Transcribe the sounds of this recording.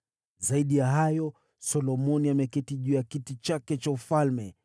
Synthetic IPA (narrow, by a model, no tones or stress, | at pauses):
zaiɗijaɦajɔ | sɔlɔmɔniamɛkɛtiʄujakitit͡ʃakɛt͡ʃaufalmɛ